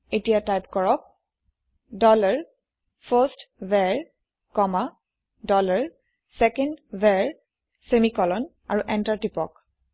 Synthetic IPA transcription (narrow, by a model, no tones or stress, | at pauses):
etijatajpkɔɹɔk̚ | dɔlaɹ | fʰəstvɛɹ | kɔma | dɔlaɹ | sɛkɛndvɛɹ | semikɔlɔn | a̰ɹuʔɛntaɹtipɔk̚